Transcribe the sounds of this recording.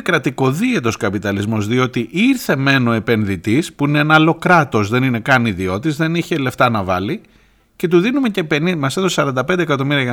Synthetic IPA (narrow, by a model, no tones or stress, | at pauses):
kɾɐt̪iko̞ðie̞t̪o̞skɐpit̪ɐlizmo̞zðio̞t̪iʔiɾθe̞me̞no̞e̞pe̞nðit̪ispuineenɐlo̞kɾɐt̪o̞zðe̞nine̞kɐniðio̞t̪izðe̞niçe̞le̞ft̪ɐnɐvɐ̰li | ce̞t̪̬uðinume̞ce̞penimɐset̪ossɐɾɐnd̪ɐpe̞nd̪ekɐt̪o̞miɾiɐʝɐ